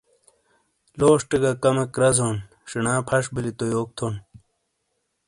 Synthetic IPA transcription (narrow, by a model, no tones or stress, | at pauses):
loːʂʈeɡakɐmɐkɾɐzoːn | ʂinãːpʰɐʂbilit̪ojoːk̚t̪ʰon